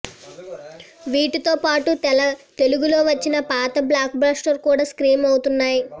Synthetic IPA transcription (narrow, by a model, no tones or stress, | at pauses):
ʋiːʈit̪o̞ːpaːʈuɐt̪e̞luɡulo̞ːʋɐt͡ʃːinɐpaːt̪ɐblaːk̚bɾaːsʈɐɾkuːɽaːskɾiːmɐwut̪unːaːji